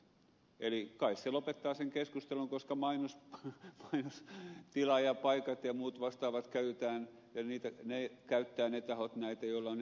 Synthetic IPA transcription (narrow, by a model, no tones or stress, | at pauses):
elikɑisselopet̪ːɑːseŋkeskust̪eluŋkoskɑmɑinosmɑinost̪ilɑjɑpɑikɑt̪jɑmuːt̪ʋɑst̪ɑːʋɑt̪kæyt̪et̪æːn | jɑniːt̪ænekæyt̪ːæːnet̪ɑhot̪næit̪æjolːɑon